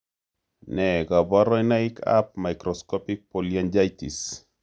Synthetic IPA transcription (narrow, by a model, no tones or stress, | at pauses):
nɛɡabaɾɔinaikʰa̰p̚majkɾɔskɔpik̚poliand͡ʒajtis